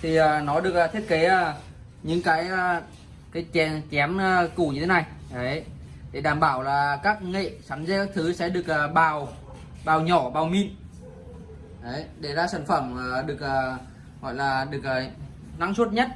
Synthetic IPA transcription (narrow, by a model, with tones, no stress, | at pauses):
t̪ʰi˨˩ʔəː˨˩nɔ˨˦ɗɨ˨˩ək̚ːt̪ʰi˦˥ət̚ke˨˦ə˧˩ | ɲɨ̰˧˥ŋkaː˨˦jə˧˩ | kaː˨˦jt͡ɕɛ˨˦t͡ɕɛ˨˦m˧ku˧˩ɲɨ˧e˨˦na˨˩jʔə˨˦jɗe˧˩ɗaː˧˩mɓaː˧˩wlaː˨˩kaː˦˥k̚ŋḛ˧˨sa˨˦nzɛ˧˥kaː˦˥k̚t̪ʰɨ˨˦sɛ̰˧˥ɗɨ˨˩ək̚əː˨˩ɓaː˨˩w | ɓaː˨˩wɲɔ˧˩ɓaː˨˩wmḭ˧˨n | ʔə˨˦jɗe˧˩za̰ː˧˥saː˧˩nfə˧˩mː˨˩ɗɨ˨˩ək̚əː˨˩ | ɣɔ̰˧˨jlaː˨˩ɗɨ˨˩ək̚əː˨˩ | na˨˦ŋswu˦˥t̚ɲə˦˥t̚